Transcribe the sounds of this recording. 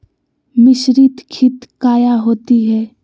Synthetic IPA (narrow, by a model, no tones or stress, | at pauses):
mɪʃɾit̪kʰɪt̪kaːjaɦoːt̪iɦɛː